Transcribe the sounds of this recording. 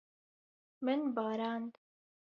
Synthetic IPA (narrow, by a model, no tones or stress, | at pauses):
mənbɑːɾaːnd̪